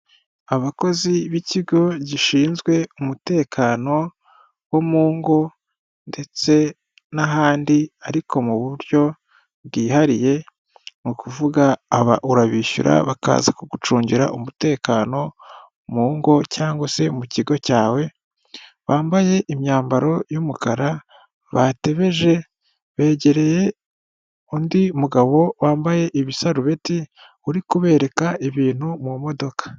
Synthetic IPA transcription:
aβako̞ziβiciɡo̞ɟiʃiːnzɡwe̞umute̞ːkʰaːno̞ | wo̞muːŋɡo̞ | nde̞t͡se̞ | naɦaːndiaɾikʰo̞muβuɾjo̞ | βɡiːhaɾije̞ | mukuvuɡaːβa̰ʔuɾaβiʃṵɾa̰βaka̰ːza̰koɡut͡ʃuːɲɟiɾa̰ʔumute̞ːkaːno̞ | muːŋɡo̞caːŋɡwase̞muciɡo̞caːwe̞ | βaːmbaje̞ʔimjaːmbaɾo̞jumukaɾa | βate̞βe̞ʒe̞ | βe̞ːɟe̞ɾe̞je | undimuɡaβo̞waːmbaje̞ʔiβisaɾuβe̞ti | uɾikuβe̞ːɾe̞kaiβiːn̥humumo̞do̞kḁ

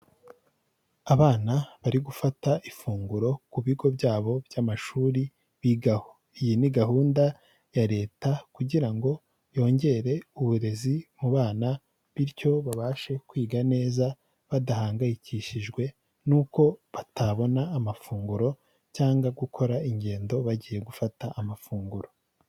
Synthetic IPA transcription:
aβaːnaβaɾiɡufataʔifuːŋɡuɾo̞kuβiɡo̞bɟaːβo̞bjaːmaʃuːɾi | ijiniɡaɦuːnda | jaɾe̞ːtakuɟiɾaŋɡo̞ | jo̞ːɲɟe̞ɾe̞uβuɾe̞zimuβaːna | βiɾco̞βaβaʃe̞kwiːɡane̞ːza | βadahaːŋɡajiciʃiʒɡwe̞ | nuːko̞βatʰaβo̞naːmafuːŋɡuɾo̞ | caːŋɡaɡukʰo̞ɾaiɲɟe̞ːndo̞βaɟiːje̞ɡufataʔːmafuːŋɡuɾo̞

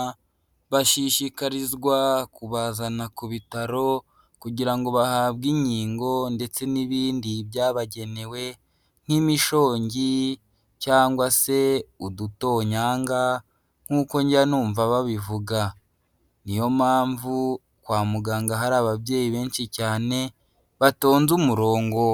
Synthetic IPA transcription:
βaʃiʃikaɾizɡwakuβazanakuβitaɾo̞ | kuɟiɾaŋɡo̞βahaːβɡiɲiːŋɡo̞nde̞t͡se̞niβiːndibjaːβaɟe̞ne̞we̞ | n̥imiʃo̞ːɲɟi | caːŋɡwase̞uduto̞ːɲaːŋɡa | ŋ̥uːko̞ɲɟanuːɱvaβaβivuɡa | nijo̞maːɱvu | kwaːmuɡaːŋɡaɦaɾaːβabje̞ːjiβe̞ːnʃicaːne̞ | βato̞ːnzumuɾo̞ːŋɡo̞

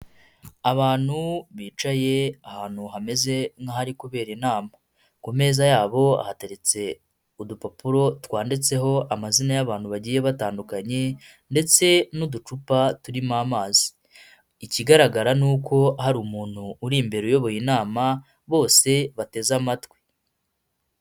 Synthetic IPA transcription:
aβaːn̥huβiːt͡ʃaje̞ahaːn̥huɦame̞ze̞ŋhahaɾikuβe̞ːɾinaːma | kume̞ːzajaːβo̞a̰hate̞ɾe̞t͡se̞ | udupapuɾo̞twaːndit͡se̞ɦo̞amazinajaβaːnhuβaɟiːje̞βataːndukaɲe̞ | nde̞t͡se̞nudut͡ʃupatuɾimaːmaːzi̥ː | ciɡaɾaɡaɾanuːko̞ɦaɾumuːn̥huːɾimbe̞ɾujo̞βo̞jinaːma | βo̞ːse̞βate̞zamatwi̥

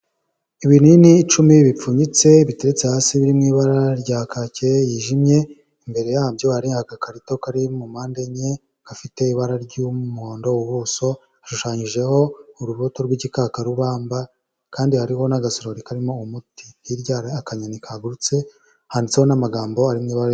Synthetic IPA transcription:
iβininiːt͡ʃumiβip͡fuːɲit͡se̞βiteɾet͡sehaːsiβiɾimŋiːβaɾaɾɟakacejiːʒimɲe̞ | imbe̞ɾe̞jahabjo̞haɾiŋhakakaɾito̞kaɾimumaːnde̞ɲe̞ | kafite̞iβaɾaɾɟumuhoːndo̞uβuso̞ | aʃuʃaːɲiʒe̞ho̞uɾuβoto̞ɾɡwiɟikakaɾuβaːmba | kaːndihaɾiho̞naɡasoɾoɾikaɾimo̞umuti̥hiɾɟaɾaakaɲanikaɡuɾut͡se̞ | handit͡se̞honamaɡaːmbo̞aɾimŋiːβaɾa

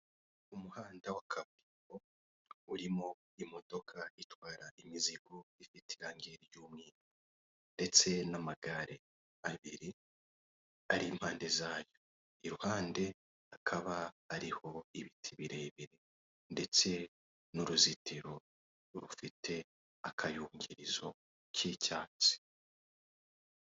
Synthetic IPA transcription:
umuhaːndawakʰamiɾo | uɾimo̞ | imo̞do̞kʰaitwaːɾaʔimiziɡoifitʰiɾaːŋɡeɾjuːmŋiːna | nde̞t͡se̞namaɡaɾe | aβiɾi | aɾim̥haːnde̞zaːjo̞ | iɾuhaːnde̞ | akʰaβaːɾiho̞iβitʰiβiɾeβiɾi | nde̞t͡se̞ | nuɾuzitʰiɾo̞ | ɾufitʰe̞ | akʰajuːŋɟiɾizo̞ | cʰiːcaːt͡si̥

